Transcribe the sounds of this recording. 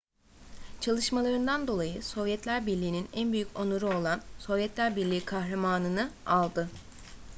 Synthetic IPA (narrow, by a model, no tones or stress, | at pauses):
t͡ʃʰalˠɯʃmalˠaɾɯnd̪and̪o̞lˠajɯso̞vjɛt̪ʰlʲæɾbiɾlʲiːninænbyjyconoɾuo̞lˠanso̞vjɛt̪ʰlʲæɾbiɾlʲiːkʰahɾamaːnɯnɯalˠd̪ɯ